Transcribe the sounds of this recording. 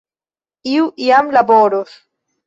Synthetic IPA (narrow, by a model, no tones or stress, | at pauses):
iwʔiamlaboɾos